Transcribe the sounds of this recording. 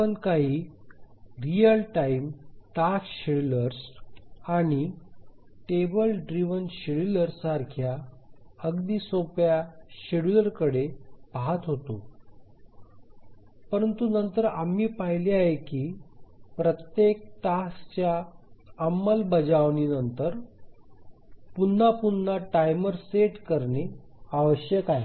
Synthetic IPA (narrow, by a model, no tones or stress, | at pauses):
ənkaɦiː | ɾijəlʈaimʈasɕiɽləɾsaɽ̃i | ʈebəlɖɾiʋənɕiɽiləɾsaɾkʰja | əɡd̪iːsõpjaɕiɽləɾkəɽebaɦat̪ɦot̪o | pəɾənt̪unənt̪əɾamiːpaɦiliaɦekiːpɾət̪jek̚ʈast͡ɕjaː | mːəlbəd͡ʑaʋninənt̪əɾ | punːapunːaʈajməɾseʈkəɾne | aʋəɕjəkaje